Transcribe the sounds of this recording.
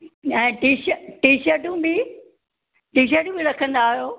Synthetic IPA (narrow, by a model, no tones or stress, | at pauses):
ɛ̃ːʈiːʃəʈiːʃəɾʈũbi | ʈiːʃ̬əɾʈũbɪɾɐkʰə̃nd̪aːɦijoː